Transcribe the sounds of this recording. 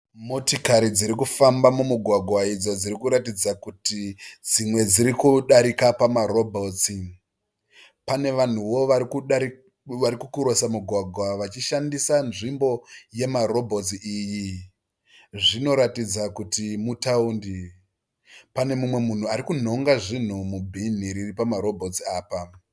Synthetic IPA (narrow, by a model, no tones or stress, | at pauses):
mo̞tikaɾid͡ziɾikufambamumuɡʱwaɡʱwaid͡zod͡ziɾikuɾatid͡zakutid͡zimwe̞d͡ziɾikuɗaɾikapamaɾo̞bʱo̞t͡si | pane̞ʋan̤uwo̞ʋaku | ʋaɾikukuɾo̞samuɡʱwaɡʱwaʋat͡ʃiʃandisanʐimbo̞je̞maɾo̞bʱo̞t͡siiːji | ʐino̞ɾatid͡zakutimutaundi | pane̞mumwe̞mun̤uaɾikun̤o̞ŋɡaʐin̤umubʱin̤iɾiripamaɾo̞bʱo̞t͡siaːpa